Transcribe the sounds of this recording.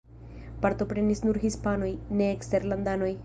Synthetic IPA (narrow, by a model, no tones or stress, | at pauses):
paɾt̪o̞pɾenisnuɾhispano̞jneːkst̪eɾland̪ano̞j